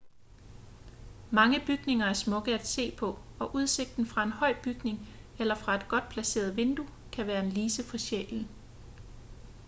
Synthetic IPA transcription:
mɑ̈ŋəb̥yɡ̥ne̝ŋɐæɐsmɔ̽ɡ̥əæd̥se̝̰ːpʰɒ̽ɒ̽ʔuð̞ˠse̝ɡ̥̚d̥n̩fʁɑ̈e̝nhɒ̽ɪ̰b̥yɡ̥ne̝ŋelɐfʁɑ̈e̝d̥̚ɡ̥ɒ̽d̥̚pʰlæse̝̰ːɐð̞ˠʋe̝nd̥u | kʰæʋæːɐe̝nliːsəfɒ̽ɕḛln̩

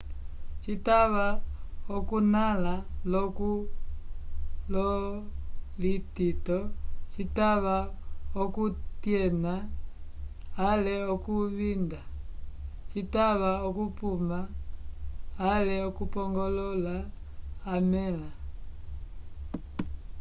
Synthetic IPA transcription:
t͡ʃitaβaɔkunalalɔku | lɔ | lititɔt͡ʃitaβaɔkutjɛna | lɛɔkuβinda | t͡ʃitaβaɔkupuma | lɛɔkupɔŋɡɔlɔlaː | mɛla

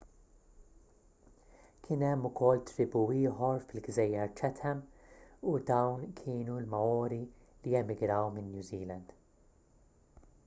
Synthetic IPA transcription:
kʰɪnɛmːʊkɔlːt̪ɾɪbuːɪːħɔɾfɪlɡzɛjːɐɾt͡ʃɛt̪ʰɛmud̪ɐwnkʰɪːnulmɐɔːɾi | lijɛmːɪɡɾɐwmɪnːjuziːlɐnd̪̥

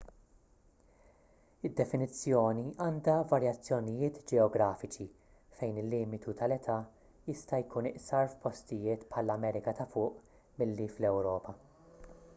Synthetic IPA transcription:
ɪd̪ːɛfɪnɪt͡sːjɔːniʔɐːnd̪ɐvɐɾjɐt͡sːjɔnɪjɪːt̪d͡ʒɛɔɡɾɐːfɪt͡ʃi | fɛjnɪlːiːmɪt̪ut̪ʰɐlɛt̪ʰɐ | jɪst̪ɐjkuːnɪʔsɐɾfpɔst̪ɪjɪːt̪pħɐlɐmɛːɾɪkɐt̪ɐfʊːʔ | mɪlːiflɛwɾɔːpɐ

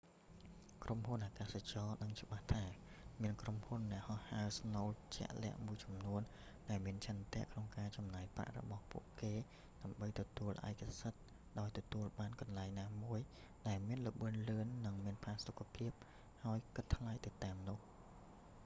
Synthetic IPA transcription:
kromhunʔaːkaːsat͡ɕɑːnɨŋt͡ɕə̆ɓaht̪ʰaː | miənkromhunːɛ̆əʔhɑhhaəsnoːlt͡ɕɛ̰̆əʔlɛ̆əʔmuəjt͡ɕɑmnuən | ɗaɛlmiənt͡ɕʰənt̪ɛ̆əʔkʰnoŋkaːt͡ɕɑmnaːjpra̰ʔrɔ̰ɓɑhpṵəʔkeː | ɗaəmɓəjt̪ɔt̪uəlʔa̰ɛkasət̪̚ | ɗaɔjt̪ɔt̪uəlɓaːnkɑnlaɛŋnaːmuəj | ɗaɛlmiənləɓɨənlɨənːɨŋmiənpʰaːsokʰːapʰiəp̚ | haəjkɨt̪ːʰlajt̪ɨt̪aːmnʊ̆əh

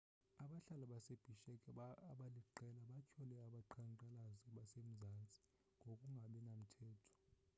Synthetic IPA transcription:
aɓaɬalaɓaseb̥ʱiʃɛkʰʼːɓaliǃɛlaɓacʰɔlɛaɓaǃʰaŋǃʼalaziɓasem̩zant͡sʼi̥ | ŋɡʱokʼuŋɡʱaɓɛnam̩tʰɛːtʰɔ̥

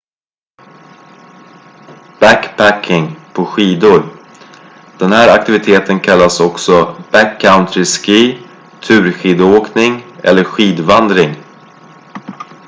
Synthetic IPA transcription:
b̥ækpʰækʰːɪŋpʰɔɧiːd̪ʊɾ | d̪̥ɛnhæːɾak̚t̪ɪvɪt̪ʰeːt̪ʰənkʰalːasɔksɔb̥ækʰːaʊnt̪ɾɪskiː | t̪ʰʉ̟ːɾɧiːd̪ʊoːknɪŋʔɛ̰lːəɾɧiːd̪vand̪ɾɪŋ

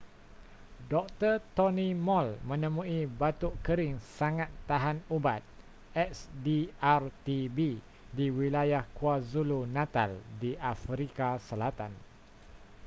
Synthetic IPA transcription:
dɔk̚t̪ərt̪ɔnĩmɔlmə̃nə̃mũibat̪uʔkəɾɪŋsaŋat̪ːaɦanubat̪̚ | ɛsdiart̪ibi | diwilajahkuazulunãt̪a̰ldiʔafɾikasəlat̪an

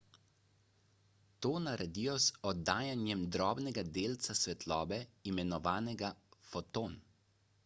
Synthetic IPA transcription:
t̪oːnaɾɛd̪ijɔzɔd̪ːaːjanjɛmd̪ɾɔːbnɛɡad̪eːlt̪sasʋɛt̪lɔːbɛimɛnɔʋaːnɛɡafɔt̪on

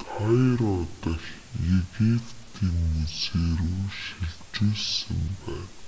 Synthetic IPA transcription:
t̪ʰajɾɔt̪ə̆x | jeɣipt̪ʰiːŋmut͡seːɾuːʃiɮt͡ɕuːɮsə̆mpæːn

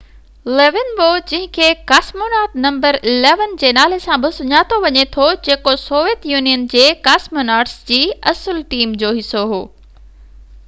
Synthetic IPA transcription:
leːʋɪnboːd͡ʑɪ̃ɦɪ̃kʰeːkaːsmoːnaːɾʈnɐ̃mbəɾɪleːʋənd͡ʑeːnaːl̤esãbɪsʊɲaːt̪ʰoʋɐɲet̪ʰod͡ʑeːkosoːʋijət̪juːnijənd͡ʑeːkaːsmoːnaːʈsd͡ʑiːɐsəlʈiːmd͡ʑoːɦɪsoɦo̰ː

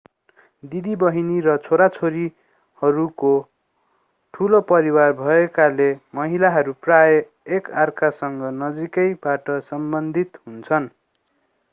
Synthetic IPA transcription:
d̪id̪ibʌɦinirʌt͡sʰoɾat͡sʰoɾi | hʌɾuko | ʈʰulopʌɾiwarbʱʌekalemʌɦilaɦʌɾuprajʌ | ekarkʰasʌŋɡʌnʌd͡zikʌjbaʈʌsʌmbʌnd̪ʱit̪ɦunt͡sʰʌn

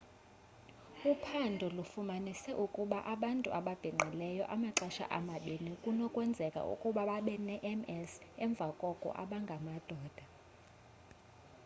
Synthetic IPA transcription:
upʰandʱɔlufumanisɛʔukʼuɓaʔaɓantʼṵʔaɓab̥ʱiŋ͡ǃʱilɛjɔ̰ʔamaǁaʃa̰ʔamaɓenikʼunɔkʼwɛnd͡zʱɛkʼa̰ṵkʼuɓaɓaɓɛnɛʔɛmɛsɛɱb̪vʱakʼɔkʼɔ̰ʔa̰ɓaŋɡʱamad̥ʱɔːd̥ʱa

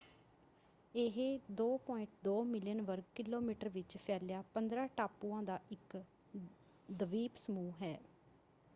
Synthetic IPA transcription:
eɦeːd̪oːpɔ̃ːɪ̃ɳʈd̪oːmɪlɪjənʋəɾɡkɪlːoːmiːʈəɾʋɪt͡ʃpʰɛːljaːpənd̪ɾãːʈaːpuːãːd̪aːʔɪk | d̪əʋiːpsəmuːɦɛː

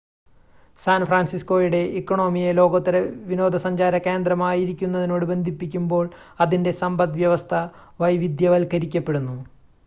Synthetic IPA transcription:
saːnfraːnsisko̞ːjuɽe̞ʔikːoɳo̞ːmijelo̞ːɡɐt̪ːɐɾɐʋino̞ːd̪ʱɐsɐɲd͡ʑaːɾɐke̞ːnd̪rɐmaːjiɾikʲːunːɐðino̞ːɽɨbe̞nd̪ʱipːikʲːumbo̞ːɭ | ɐðinde̞sɐmbɐd̪ʋjɐʋɐst̪ʰɐ | ʋɐjʋid̪jɐʋɐlkɐɾikʲːɐpːe̞ɽunːu

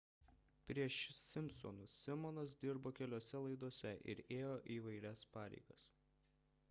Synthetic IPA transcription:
pʲɾʲiɛʃsʲɪmʲsɔ̰nʊssʲɪmɔnɐs̬d̪ʲɪɾboːkʲɛlʲoːsʲɛlˠɐɪd̪oɔsʲɛʔɪ̰ɾeːjoːʔiːʋɐɪɾʲɛspɑːɾʲɛ̰ɪɡɐs

